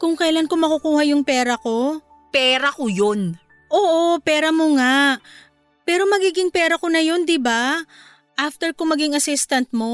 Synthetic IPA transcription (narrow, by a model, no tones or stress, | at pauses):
kʊŋkɐjlankomɐkʊkuːhɐjʊŋpɛːɾɐko̞ | pɛːɾɐkojon | ʔoːʔopɛːɾɐmoŋaʔ | pɛːɾo̞mɐɡiːɡɪŋpɛːɾɐko̞nɐjo̞nd̪ɪba | ʔaft̪ɛɹkoŋmɐɡɪŋɐsɪst̪ɐnt̪̚mo̞